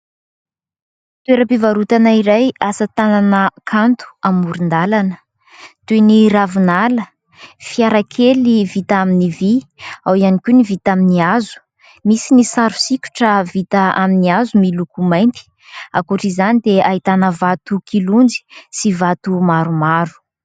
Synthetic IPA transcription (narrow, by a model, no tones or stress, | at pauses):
t̪ueɾəpivaɾut̪anaiɾajasət̪ananəkʰant̪u̥amuɾind̪alanə | t̪eniɾavunalə | fiaɾakʰelivit̪aminiviawianikʲunivit̪aminiazu̥ | misinisaɾu̥sikʲu̥ʈ͡ʂəvit̪aaminiazumilukumajnt̪i̥ | a̰kuʈ͡ʂizanid̪eaɦit̪anəvat̪ukilund͡zi̥sivat̪umaɾumaɾu̥